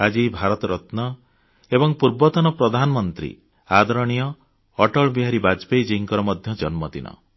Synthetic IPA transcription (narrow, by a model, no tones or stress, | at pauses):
ad͡ʒibʱaɾɔt̪ɔɾɔt̪nɔ | ebɔŋpuɾbɔt̪ɔnɔpɾɔd̪ʱanɔmɔnt̪ɾḭ | ad̪ɔɾɔɽ̃ijɔː | ʈɔɭbiɦaɾibad͡ʒpejd͡ʒiŋkɔɾɔmɔd̪ʱjɔd͡ʒɔnmɔt̪ḭnɔ̰